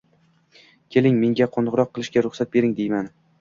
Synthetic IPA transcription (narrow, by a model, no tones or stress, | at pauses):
kʲʰe̞lɪŋme̞ŋɡʲaqʰonʁɾɒqʰːɨlˠɪʃɡʲaɾʊχsat̪̚be̞ɾɪŋd̪e̞jman